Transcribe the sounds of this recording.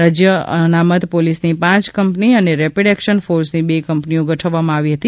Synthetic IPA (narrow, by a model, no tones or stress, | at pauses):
ad͡ʒjəənamət̪polisnipãt͡ʃkəmpniəneɾepeɽɛkʃənfoɾsnibekəmpniõɡʱəʈʰəʋːamãaʋiɦət̪i